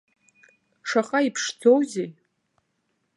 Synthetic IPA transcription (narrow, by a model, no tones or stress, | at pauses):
ʂaχʼaipʰʂd͡zowzej